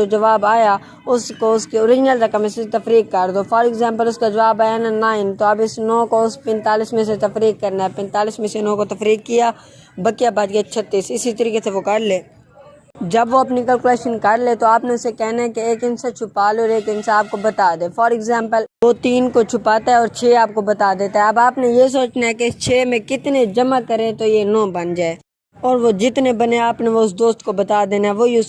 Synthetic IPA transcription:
od͡ʒɐʋaːbaːja | ʊskoʊskeoːɾɪd͡ʒɪnəlɾɐkəmːẽset̪ɐfɾiːkːɐɾd̪oːfɔːɾɪɡzɛ̃ːmpəlʊskad͡ʒɐʋaːbaːjananaːɪnt̪oɐpɪsnɔ̃ːkoʊspɛ̃nt̪aːliːsmẽset̪ɐfɾiːk̚kɐɾnaɛpɛ̃nt̪aːliːsmẽsenõkot̪ɐfɾiːkːijaː | bəkjabaːd̪ɡat͡ʃʰɐt̪ːiːsɪsit̪əɾiːkeseʋokɐɾleː | d͡ʒɐbʋoɐpnikəlkʊleːʃənkɐɾlet̪oaːpneʊsekɛɦnaɦɛ̃keːkɦɪnsat͡ʃʰʊpaːleɔːɾeːkɦɪ̃nsaaːp̚kobɐt̪aːd̪ẽːfɔːɾɪɡzɛ̃ːmpəlʋoːt̪iːnkot͡ʃʰʊpaːt̪aɦɛɔːɾt͡ʃʰeːaːp̚kobɐt̪aːd̪eːt̪aɦɛɐbaːpnejes̬oːt͡ʃnaɦɛkeɪst͡ʃʰeːmẽkɪt̪ned͡ʒɐmakəɾẽt̪ojenõːbɐnd͡ʒaːe | ɔːɾʋod͡ʒɪt̪nebɐneaːpneʋoʊs̬d̪oːst̪kobɐt̪aːd̪eːnaɦɛʋoiʊs

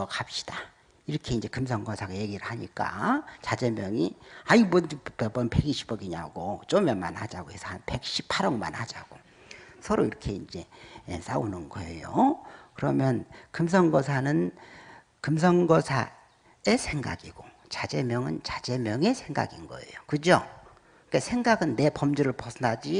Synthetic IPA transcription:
ʌkapɕi̥d̥a | iɾʌkʰe̞ind͡ʑe̞kɯmsʰʌŋɡʌsʰaɡaje̞ɡiɾɯɭhaɲik͈a̰t͡ɕad͡ʑe̞mjʌŋiaibʌpebʌnpe̞ɡiɕʰi̥bʌɡiɲa̰ɡot͡ɕomjʌnma̰nhad͡ʑaɡoesʰʌanpe̞k̚ɕ͈ʰipʰaɾʌŋma̰nhad͡ʑaɡ̥o | sʰʌɾoiɾʌkʰe̞ind͡ʑe̞ḛs͈aunɯnɡʌḛjokɯɾʌmjʌnkɯms̬ʰʌŋɡʌsʰanɯn | kɯms̬ʰʌŋɡʌsʰa | e̞sʰe̞ŋɡa̰ɡiɡ̥o | t͡ɕad͡ʑe̞mjʌŋɯnt͡ɕad͡ʑe̞mjʌŋe̞sʰe̞ŋɡa̰ɡinɡʌ̰ḛjokɯd͡ʑo | ikasʰe̞ŋɡaɡɯnːe̞pʌmd͡ʑuɾɯɭpʌsʰnad͡ʑi

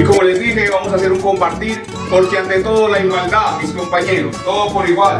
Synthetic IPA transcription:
ikomolezðiθeβamosaseɾuŋko̞mpaɾt̪iɾ | poɾkeant̪et̪oðolaiɣwald̪amiskompaɲeɾot̪oðopoɾiɣwal

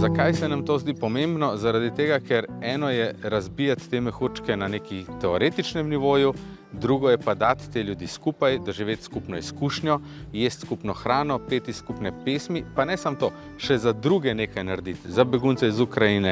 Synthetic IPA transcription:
zakajsɛnamt̪oːzd̪ipɔmembnɔzaɾad̪it̪eːɡakɛɾɛːnɔjɛɾazbijat̪ːemɛxuɾt͡ʃkɛnanekit̪ɛɔɾeːt̪it͡ʃnɛmniʋoːju | d̪ɾuːɡɔjɛpad̪at̪ːeljud̪iːskupajd̪ɔʒiʋeːt̪skupnɔiskuːʃnjɔ | jeːst̪skupnɔxɾaːnɔpeːt̪iskupnɛpeːsmipanɛsamt̪oː | ʃɛzad̪ɾuɡɛneːkajnaɾd̪it̪zabɛɡunsɛizukɾainɛ

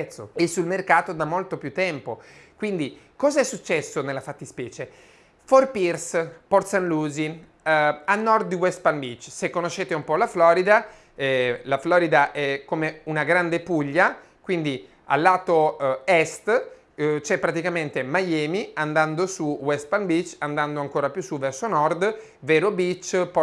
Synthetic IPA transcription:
t̪soesulmerkaːt̪od̪amolt̪opjut̪ːɛmpo | kwind̪i | kɔːzaɛsːut͡ʃːɛsːonelːafat̪ːispɛːt͡ʃe | forpirspɔrt̪sanluːzi | alnːɔrd̪iwɛst̪̚panbit͡ʃːsekːonoʃːeːt̪eumpɔlaflɔːɾid̪a | ɛlaflɔːɾid̪aʔɛkːomeunaɡɾand̪epuʎːa | kwind̪i | a̰lːaːt̪oɛst̪ | t͡ʃɛpːɾat̪ikament̪emajɛːmiand̪and̪osuwɛst̪̚panbit͡ʃːand̪and̪oaŋkoːɾapjusuvɛrsonɔrd̪ | veːɾobit͡ʃp

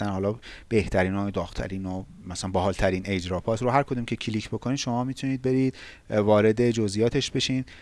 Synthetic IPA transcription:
ænhɒːlɒː | b̥e̞ht̪ʰæɾiːnoːjd̪ɒːxt̪ʰæ̰ɾiːno | mæsælænbɒɦɒːlt̪ʰæɾiːned͡ʒɾɒːpʰɒːsɾoɦæɾkʰod̪uːmcʰe̞cʰilicʰbo̞kʰoniːd̪ʃo̞mɒːmit̪ʰuniːd̪̚be̞ɾiːd̪ | vɒːɾe̞d̪e̞d͡ʒozʔijɒːt̪ʰe̞ʃbe̞ʃiːn

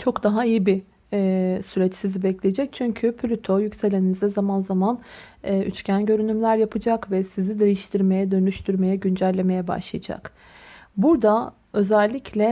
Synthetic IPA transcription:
t͡ʃʰo̞kd̪aɦaijibi | ɛsyɾɛt͡ʃsizibɛclʲejd͡ʒɛc̚t͡ʃʰyɲcʰypʰlʲyt̪ʰo̞jycse̞lʲeninizɛzamanzaman | ɛːʔy̰t͡ʃcʰænɟø̞ɾynymlʲæɾjapʰɯd͡ʒakvɛsizid̪e̞jiʃt̪ʰiɾme̞jɛd̪ø̞nyʃt̪ʰyɾme̞jɛɟynd͡ʒælʲːe̞me̞jɛba̰ʃlˠɯjad͡ʒa̰k | buɾd̪a | ø̞zælʲːicʰlʲɛ

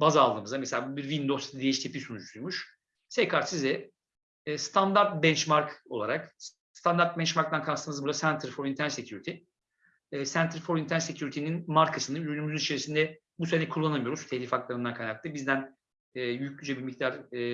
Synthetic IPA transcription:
bazaːlˠd̪ɯːmɯzd̪ameselʲaːbubiɾvind̪o̞st̪ad̪ejiʃt̪ʰe̞pʰisonud͡ʒu̥sujmuʃ | sekʰaɾt̪sizɛː | st̪ʰand̪aɾt̪̚bɛnt͡ʃmaɾko̞̰lˠaɾak | st̪ʰand̪aɾt̪̚bɛnt͡ʃmaɾk̚t̪ʰankʰalˠsɯmɯzbuɾd̪asænt̪ʰɾfoɾint̪ʰæse̞cʰuɾit̪ʰi | ɛːsænt̪ɾfoɾint̪ʰænsecʰuɾit̪ʰininmaɾkʰasɯnayɾynymyzzit͡ʃʰe̞ɾisind̪ɛ | bus̬enɛkʰulˠːanamɯjo̞ɾuz̥t̪ʰehlʲifaktlˠaɾɯnd̪ankʰajnaɾk̚t̪ˠɯbizd̪æn | ɛːjycyd͡ʒɛbiɾmic̚t̪aɾː

